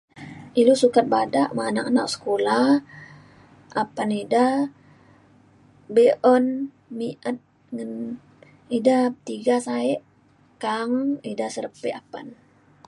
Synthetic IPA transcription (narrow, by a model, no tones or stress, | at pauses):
ilusukat̪̚badaʔmanaʔanaʔsə̥kolah | ʔapanidah | beʔɔn | miʔət̪̚ | ŋan | idaht̪iɡasaɛʔ | kaŋidahsəɾəpɛʔapan